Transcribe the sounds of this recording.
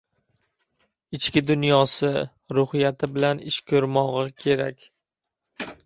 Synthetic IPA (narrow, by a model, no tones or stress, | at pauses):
ɪt͡ʃkʲɪd̪ʊnjɒsɪ | ɾʊhɪjat̪ʰɪbɪlanɪʃkʲʰɵɾmɒʁɨkʲʰe̞ɾakʲ